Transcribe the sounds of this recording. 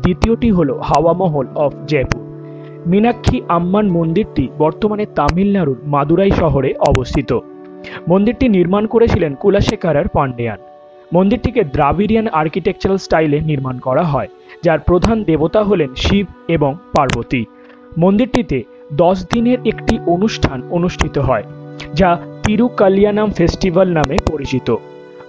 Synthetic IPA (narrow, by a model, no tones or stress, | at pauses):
d̪it̪ioʈiɦolohaoamɔɦolɔfʰd͡ʑɛpuɾ | minakʰːiʔamːanmond̪iɾʈibɔɾt̪omanet̪amilnaɾuɾmad̪uɾajʃɔɦoɾeʔɔbost̪ʰit̪o | mond̪iɾʈiniɾmankoɾet͡ɕʰilenkulaʃekaɾaɾpaɳɖea̰n | mond̪iɾʈiked̪ɾabiɾianaɾkiʈek̚t͡ɕoɾalsʈajleniɾmankɔɾaɦɔe | d͡ʑaɾpɾod̪ʱand̪ebot̪aɦolenʃibʱeboŋpaɾbot̪i | mond̪iɾʈit̪e | d̪ɔʃd̪ineɾekʈiʔonuʃʈʰanonuʃʈʰit̪oɦɔed͡ʑat̪iɾukalijanamfesʈibalnamepoɾit͡ɕit̪o